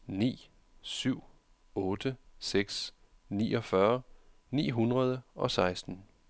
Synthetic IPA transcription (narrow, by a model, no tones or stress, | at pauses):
nḭː | syʊ̰ | ɔ̽ːd̥əseɡ̥s | nḭːʔɒ̽fɶɐ | nḭːɦunʁɐðˠəʔɒ̽sɑ̈ɪsd̥n̩